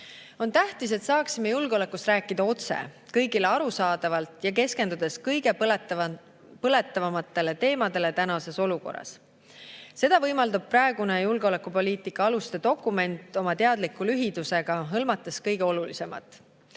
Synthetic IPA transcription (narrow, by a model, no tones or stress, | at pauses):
o̞nt̪æht̪ise̞t̪sɑːksimejulɡ̥eo̞le̞kːˑust̪rɾæːkːˑid̪̥ɑo̞t̪se̞̰kɤjɡile̞ɑɾusɑːd̪̥ɑvɑlt̪ˑjɑke̞ske̞nd̪ud̪̥e̞skɤjɡe̞ | pɤle̞t̪ːˑɑvɑmɑt̪ːˑe̞le̞t̪e̞ːmɑd̪e̞le̞t̪ænɑse̞so̞luko̞̰rːɑ̰s | se̞d̪̥ɑvɤjmɑld̪ub̥̚prɑeɡ̥unejulɡ̥eo̞le̞kːˑupo̞liːt̪ˑikːˑɑɑlust̪ed̪̥o̞kːˑume̞nt̪ːˑo̞mɑt̪e̞ɑd̪̥likːulyɦid̪use̞ɡ̥ɑɦɤlmɑt̪ːˑeskɤjɡ̥e̞o̞lulise̞mɑ̰t̪ːˑ